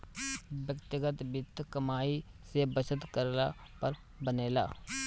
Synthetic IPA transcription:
bjəkt̪ɪɡət̪bɪt̪ʰːkəmaːi | sebət͡ʃət̪kəɾla | pəɾ | bəneːla̰ː

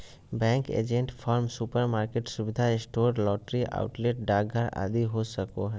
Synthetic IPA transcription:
bɛ̃ːŋkḛːd͡ʒẽɳʈfʰaːɾmsupəɾmaːɾkeʈsʊbɪd̪ʱaɪsʈoːɾlɔːʈɾiʔa̰ːʊʈleʈ̚ɖaːɡʱaɾa̰ːd̪iɦosəkoɦɛ

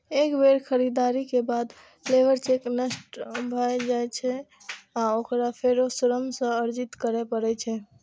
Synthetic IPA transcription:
ekbeɾkʰəɾid̪aɾikebad̪ | pʰleʋəɾt͡ʃeknəsʈbʱajd͡ʒajt͡ʃʰɛ | aokɾapʰeɾosuɾəmsə̃əɾd͡ʒit̪kəɾɛpəɾɛt͡ʃʰɛ

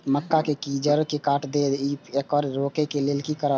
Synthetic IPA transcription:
məkːakekiːd͡ʒəɾkekaːʈʰd̪eːd̪iːpekɔːɾɾoːkekeleːlkikəɾə

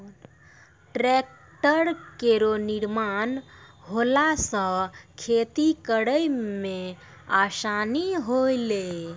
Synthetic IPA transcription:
ʈɾek̚ | ʈəɾkeɾoniɾmanɦolasə̃kʰet̪ikəɽəjmẽ | asaniɦoile

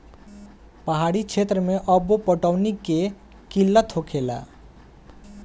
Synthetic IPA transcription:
pəɦaɽikt͡ʃʰet̪ɾəmeʔəbopəʈəwnikːe | kilːət̪ɦokʰela̰

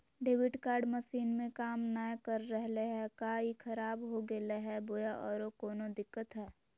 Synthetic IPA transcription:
ɖeːʋɪʈkaːɾɖməʃiːnmẽkaːmnajkəɾːɛɦleɦɛkaːikʰɐɾaːbɦoɡeleɦɛbojaʔɔːɾokɔːnod̪ɪkːət̪ɦɛː

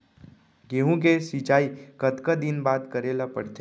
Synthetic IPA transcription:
ɡeːɦũk̬esit͡ʃaːikət̪kad̪inbaːt̪kəɾeːlapə̰ɽt̪e

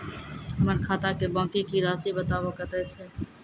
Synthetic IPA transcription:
əməɾkʰaːt̪aːkeːbãːkiːkiːɾaːsiːbət̪aːʋokət̪eːseː

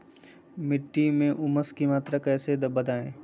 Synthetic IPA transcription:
mɪʈːimẽʔʊməskimaːt̪ɾakɛːsed̪ɐbəd̪ʱaːẽː

